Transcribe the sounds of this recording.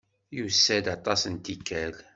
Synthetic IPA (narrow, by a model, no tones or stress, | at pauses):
jusːæd̪ɑt̪ˤɑsənt̪ikːæl